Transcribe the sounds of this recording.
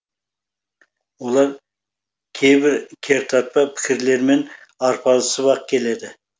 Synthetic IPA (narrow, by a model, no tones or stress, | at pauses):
wo̞lˠɑɾ | kʲʰejbɪɾkʲʰe̞ɾt̪ʰɑt̪̚pɑpʰɪ̥kʲʰɪɾle̞ɾme̞n | ɑɾpʰɑlˠəsəβɑq̚kʲʰe̞le̞d̪ɪ